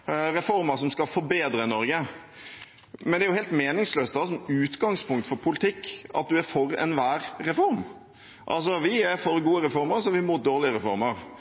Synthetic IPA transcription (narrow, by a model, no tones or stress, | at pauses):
ɾɛfɔɾməɾsɔmskɑlfɔɾbeːd̪ɾənɔɾɡə | mɛnd̪ɛæɾjʊheːlt̪meːnɪŋsløːst̪d̪ɑs̬ɔmʉːt̪ɡɑŋspʰʊŋkt̪fɔɾpʰʊlɪt̪ʰɪkːʔɑ̰t̪̚d̪ʉæɾfɔɾɛ̰nʋæːɾːɛfɔɾm | ʔɑ̰ls̬ɔʋɪɛɾfɔɾɡuːəɾɛfɔɾməɾsɔʋɪmʊt̪̚d̪oːɾlɪəɾɛfɔ̰ɾməɾ